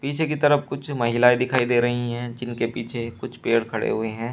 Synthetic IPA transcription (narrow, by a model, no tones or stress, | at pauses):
piːt͡ʃʰekit̪ɐɾəfkʊt͡ʃʰmɐɦɪlaːid̪ɪkʰaːid̪eːɾɐɦiɦɛ̃ːd͡ʒɪnkepiːt͡ʃʰekʊt͡ʃʰpeːɽkʰɐɽḛɦʊeɦɛ̃ː